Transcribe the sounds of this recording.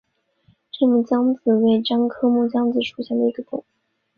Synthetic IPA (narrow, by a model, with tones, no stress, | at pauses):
ʈ͡ʂɤ˥˧mu˥˩t͡ɕjɑ˥ŋd͡zɹ̩˨˩we˥˩ɪʈ͡ʂɑ˥ŋkʰɤ˥mu˥˩t͡ɕjɑ˥ŋd͡zɹ̩˨˩ʂʰu˨˩ɕjɛ˥˩nd̪ə˩i˧˥ɡə˧t̪ʰʊ˨˩˦